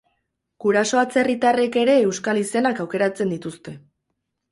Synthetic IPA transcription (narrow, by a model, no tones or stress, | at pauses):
ɡ̥uɾaso̞at͡se̞rit̪are̞ke̞ɾe̞ːwskalise̞nakawke̞ɾat͡se̞nd̪it̪ust̪e̞